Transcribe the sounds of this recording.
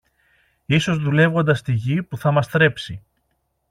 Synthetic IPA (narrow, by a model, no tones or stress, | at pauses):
iso̞zðule̞vɣo̞nd̪ɐst̪iʝipuθɐmɐst̪ɾe̞psi